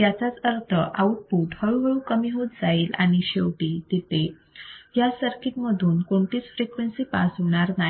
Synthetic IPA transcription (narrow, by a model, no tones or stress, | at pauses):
jat͡sat͡səɾt̪ʰəʔawʈ̚puːʈhəɭuɦəɭũkəmiːɦot̪̚d͡zaiːla̰ɽ̃iɕewʈiːt̪et̪e | jasəɾkiʈməd̪ʱuːnkoɳt̪iːt͡sfɾekʋensiːpa̰sɦoɽ̃aɾna